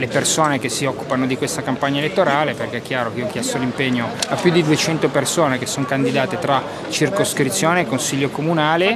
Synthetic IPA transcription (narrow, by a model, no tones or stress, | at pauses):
lepersoːnek̟esːiɔkːupanod̪ikwest̪akampaɲːaelet̪ːoɾaːleperk̟eɛkːjaːɾokiok̟jɛst̪olimpeɲːoapːjud̪ːid̪uet͡ʃɛnt̪opersoːnek̟esːoŋkand̪id̪aːt̪et̪ɾa | t͡ʃirkoskɾit̪sːjoːneːkːonsiʎːokomunaːle